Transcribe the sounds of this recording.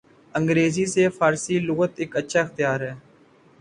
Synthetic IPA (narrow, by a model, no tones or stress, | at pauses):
ə̃ŋɡɾeːziːseːfaːɾsiːlʊːɣət̪ɪkətːʃʰaːɪxt̪jaːɾɦɛː